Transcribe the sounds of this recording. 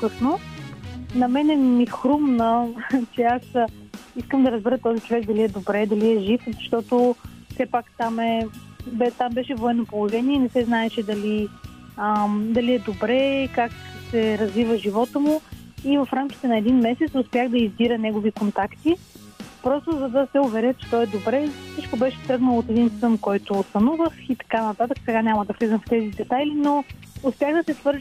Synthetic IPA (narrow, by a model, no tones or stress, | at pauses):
okɤsno | nɐmɛnɛmixɾumnət͡ʃɛasiskəmd̪ɐɾəzbɛɾət̪ɔzit͡ʃovɛkd̪ɐliɛd̪obɾɛd̪ɐliɛʒifzɐʃt̪ɔt̪ofsɛpakt̪amɛ | bɛt̪ambɛʃɛvoɛnopolˠoʒɛniɛnɛsɛznaɛʃɛd̪ɐli | əd̪ɐliɛd̪obɾɛkaksɛɾɐzvivəʒivɔt̪əmuivɐfɾamkʲit̪ɛnɐɛd̪inmɛsɛt̪sʊspʲjaɣd̪ɐizbiɾənɛɡovikont̪akt̪i | pɾɔst̪ʊzɐd̪ɐsɛʊvɛɾɛt͡ʃɛ̥t̪ɔɛd̪obɾɛsit͡ʃkobɛʃɛt̪ɾɤɡnəlˠoot̪ɛd̪insvənkɔjt̪oːst̪ɐnuvəxit̪ɐ̥kanɐt̪at̪əksɛɡaɲʲamɐd̪ɐslizənft̪ɛzid̪ɛt̪ajlinoʊspʲjaɣd̪ɐsɛsvɤɾʒ